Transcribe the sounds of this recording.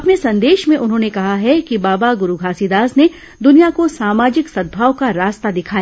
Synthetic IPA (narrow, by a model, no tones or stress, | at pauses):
ɐpnesɐ̃nd̪eːʃmẽʔʊnɦõːnekɐɦaɦɛkibaːbaɡʊɾuɡʱaːsid̪aːzne | d̪ʊnijakosaːmaːd͡ʒɪksɐd̪̚bʱaːʋkaɾaːst̪ad̪ɪkʰaːjaː